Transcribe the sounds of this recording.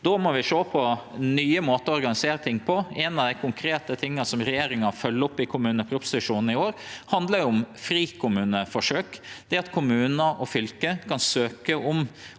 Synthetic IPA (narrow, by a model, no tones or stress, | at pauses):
d̪ɔmɔʋɪʂoːpʰɔnyːəmoːt̪əɔɔɾɡɑnɪseːɾət̪ʰɪŋːpʰɔenɑʋd̪æɪkʰʊŋkʰɾeːt̪ət̪ʰɪŋːəsɔmɾɛjeːɾɪŋɑfœlːʊpːɪkʰʊmʉːnəpʰɾʊpsɪt̪ʉʂuːnn̩ɪoːɾhɑnd̪ləɾjʊʊmfɾiːkʰʊmʉːnəfɔʂøːkd̪̥ɛɑt̪kʰʊmʉːnəʔɔfʏlkəkʰɑnsøːkəʔʊm